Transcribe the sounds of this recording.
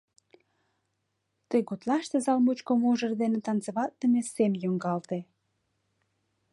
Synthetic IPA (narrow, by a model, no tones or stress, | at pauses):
t̪əjɡot̪lɑʃt̪ezɑlmut͡ɕkomoʒə̆rd̪enĕt̪ɑnt͡seβɑt̪̚ːəmesemjoŋɡɑlt̪e